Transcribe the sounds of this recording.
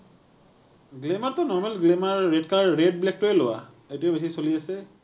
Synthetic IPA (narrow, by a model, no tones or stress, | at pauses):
ɡlemaɹtɔnɔɹmɛlɡlemaɹːedkaɹːed̚blɛk̚tʊɛlowa̰ | etijɔbesisoliasɛ